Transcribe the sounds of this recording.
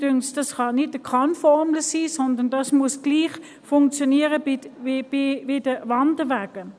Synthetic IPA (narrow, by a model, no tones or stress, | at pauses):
d̥ʏŋsd̥ɑsχɑnɪtəkʰɑnfɔʁmləsiːsɔndəndɑsmuəsɡ̥liːχ | fʊŋkt͡sjɔniːəʁəbɪb̥ividəvɑndəʋæːɡ̥ə